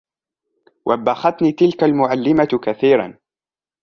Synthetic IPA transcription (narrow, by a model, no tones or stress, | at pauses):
wʔabːaxat̪niːt̪ɪlkalmʊʕalːɪmakaθiːɾˤa̰n